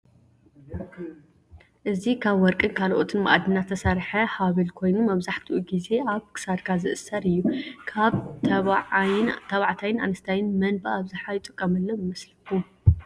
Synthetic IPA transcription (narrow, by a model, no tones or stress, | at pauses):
ʔɨzikʰaβwɔɾkʼɨnkʰaloʔot̪ʰɨnma̰ʔad̪ɨnːat̪ʰɐsɐɾħɐhaβilkʰo̞jnumɐβzaħt̪ʰiʔuɡize̞ʔaβkʰɨ̥sad̪kʰazɨʔɨsɐɾɨjːukʰaβ | t̪ʰɐβaʕt̪ʰajɪna̰nɐst̪ʰajɪnmɐnbaʔaβzɨħajɪt̪ʼɨkʼːɐmɐlːɐjmɐslɨku